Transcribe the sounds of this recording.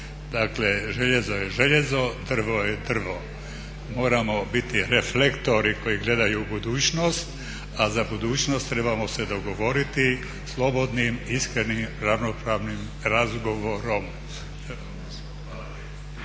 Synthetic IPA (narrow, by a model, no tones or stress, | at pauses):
d̪akleʒeʎezo̞jeʒeʎezo̞d̪r̩ʋojed̪r̩ʋo̞ | mo̞ːɾamo̞bit̪iɾeflekt̪o̞ɾikʰo̞jiɡle̞d̪ajubud̪uːt͡ʃno̞st̪ | azabud̪uːt͡ʃno̞st̪ːɾe̞bamosed̪o̞ɡo̞ʋo̞ɾit̪i | slˠo̞bo̞d̪nimiskɾenimɾaʋno̞pɾaːʋnim | ɾazɡo̞ʋoɾom